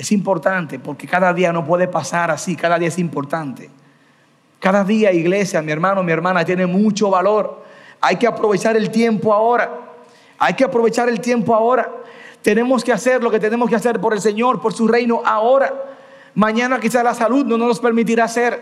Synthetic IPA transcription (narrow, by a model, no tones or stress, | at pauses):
e̞simpo̞ɾt̪ant̪e̞po̞ɾke̞kaðaðiano̞pwe̞ðe̞pasaɾasikaðaðiaesimpo̞ɾt̪ant̪e̥ | kaðaðiaiɣle̞sjamie̞ɾmãnomieɾmãnat̪je̞nemũt͡ʃo̞βalo̞ɾajke̞apɾo̞βe̞t͡ʃaɾe̞lt̪je̞mpo̞ao̞ɾa | ajke̞apɾo̞βet͡ʃaɾe̞lt̪je̞mpoao̞ɾat̪e̞ne̞mo̞skease̞ɾlo̞ket̪̬ene̞mo̞s̬kease̞ɾpo̞ɾe̞lse̞ɲo̞ɾpo̞ɾsure̞jno̞ʔao̞ɾa | mãɲãnakisaslasalud̪̚nononospe̞ɾmit̪̬iɾase̞ɾ